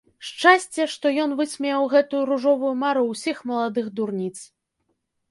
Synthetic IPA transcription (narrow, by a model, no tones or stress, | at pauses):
ʂt͡ʂasʲt͡sʲɛʂt̪ɔjɔnvɨsʲmʲɛwɣɛt̪ujuɾuʐɔvujumaɾusʲixmɐlˠad̪ɨɣd̪urnʲit̪s